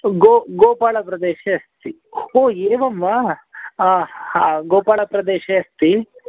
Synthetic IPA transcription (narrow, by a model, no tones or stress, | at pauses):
ɡoːɡoːpaːɭɐpɾɐd̪eːʃeɐst̪i | oːeːʋɐmʋɐ | aɡoːpaːɭɐpɾɐd̪eːʃeɐst̪i